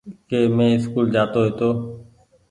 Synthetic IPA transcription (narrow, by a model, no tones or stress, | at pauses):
keːmẽːɪskuːld͡ʒaːt̪oːɦeːt̪oː